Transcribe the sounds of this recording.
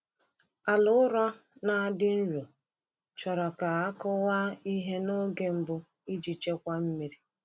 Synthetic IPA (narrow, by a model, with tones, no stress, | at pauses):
a˨lʊ˦ʊ˦ɾɔ˦ | na˦dɪ˦n̩˦ɾu˨ | t͡ʃɔ˨ɾɔ˨ka˨a˦kʊ˦wa˦i˦ɦe˦no˦ɡe˦m̩˦bʊ˦ | i˦d͡ʒi˨t͡ʃe˦kʷa˦m̩˦mi˦ɾi˦